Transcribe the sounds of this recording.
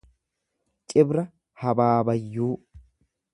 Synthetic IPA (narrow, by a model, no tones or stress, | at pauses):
t͡ʃʼɪbɾɐ | hɐbaːbɐjːuː